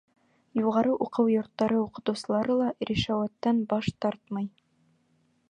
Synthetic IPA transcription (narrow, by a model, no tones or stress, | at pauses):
juʁɑɾɤʔuqɤwjŏɾt̪ːɑɾɤuqɤ̆t̪ɤwsɤ̆lˠɑɾɤlˠɑɾʲiʃæwæt̪ːænbɑʃt̪ɑɾt̪mɑj